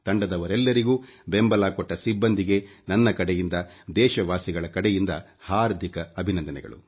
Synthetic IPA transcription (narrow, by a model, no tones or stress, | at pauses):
t̪ɐɳɖɐd̪ɐʋɐɾɛlːɐɾiɡuːbembɐlaːkɔʈːɐsibːɐnd̪iɡe̞nɐnːɐkɐɽɛjind̪ɐd̪ɛːʃɐʋaːsiɡɐɭɐkɐɽɛjind̪ɐ | haːɾd̪ʱikɐːbʱinɐnd̪ɐnɛ̰ɡɐ̰ɭṵ